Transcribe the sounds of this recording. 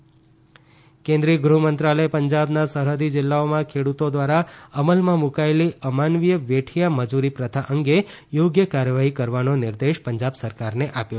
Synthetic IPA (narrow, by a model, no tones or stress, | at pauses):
kẽnd̪ɾiəɡɾumənt̪ɾaləepəɲd͡ʒabnasəɾɦəd̪id͡ʒɪlːaomãkʰeɽut̪od̪ʋaɾaəməlmãmukaeliəmanʋijəʋjeʈʰijaməd͡ʒuɾipɾəd̪ʱaʔəŋɡe | joɡjəkaɾjəʋaɦikəɾʋanonɪɾd̪eʃpəɲd͡ʒabsəɾkaɾneʔapjo